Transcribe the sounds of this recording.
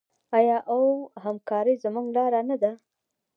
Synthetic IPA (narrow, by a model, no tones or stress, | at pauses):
ajɑʔawhamkɑɾəjzəmuŋɡlɑɾanad̪a